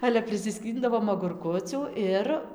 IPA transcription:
ˈɑːlʲɛ pʲrʲɪsʲɪˈsʲkʲiːndɐʋoːm ɐɡʊrˈkʊt͡sʲuː ˈɪr

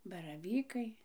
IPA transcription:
bɐrɐˈʋʲiːkɐɪ

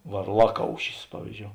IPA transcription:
ʋɐrˈlˠɑːˌkɐʊʃʲɪs ˈpɑːʋʲiːzʲˌd͡ʒʲoːʊ

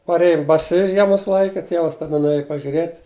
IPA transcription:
pɐrʲˈeːjʊm bɐˈsʲɪ ˈʒʲiɛmʊs ˈlˠɐɪkʲɛ ˈtʲiɛʋɐs tɐˈdɐ nʊˈeːjʊ pɐʒʲʊˈrʲeːtʲ

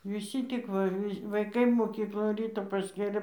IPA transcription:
ʋʲɪˈsʲiː ˈtʲɪk ʋɐ ˈʋʲɪ ʋɐɪˈkɐɪ moːˈkʲiːklˠoːn ˈrʲiːtoː pɐsʲˈkʲeːlʲeː

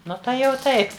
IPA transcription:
ˈnʊ tɐɪ jɛʊ ˈtɐɪp

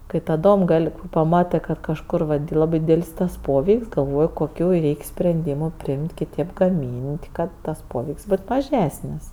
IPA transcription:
kɐɪ tɐˈdoːm ˈɡɐlʲ pɐˈmɑːtɜ kɐt kɐʃˈkʊr ˈlˠɑːbɜ ˈdʲiːdʲɛlʲsʲ tɐs ˈpoːʋʲɛɪkʲsʲ ɡɐlˠˈʋoːj koːˈkʲuː ˈrʲɛɪkʲ sʲpʲrʲɛnʲˈdʲiːmʊ ˈpʲrʲɪɪmʲtʲ kʲɪˈtʲeːp ɡɐˈmʲiːnʲtʲ ˈkɐt ˈtɐs ˈpoːʋʲɛɪkʲsʲ ˈboːt mɐˈʒʲæːsʲnʲɪs

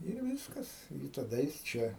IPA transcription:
ɪr ˈʋʲiːskɐs ɪ tɐˈdɐ jɪs ˈt͡ʃʲɛ

